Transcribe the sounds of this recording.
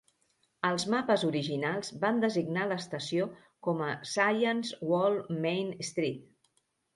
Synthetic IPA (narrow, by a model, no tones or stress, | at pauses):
əlˠzmapəzuɾiʒinalˠzband̪əziɡnaləːst̪əsio | kɔməsajənzwɔlˠmejnəst̪ɾit̪̚